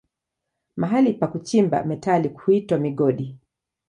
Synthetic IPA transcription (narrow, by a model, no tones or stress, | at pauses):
maɦalipakut͡ʃimba̰mɛtalikuitwamiɠɔɗi